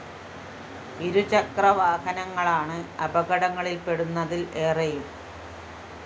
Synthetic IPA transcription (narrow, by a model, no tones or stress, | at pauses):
iɾut͡ɕɐkrɐʋaːhɐnɐŋːɐɭaːɳɨɐbɐɣɐɽɐŋːɐɭilpe̞ɽunːɐðile̞ːrɐjum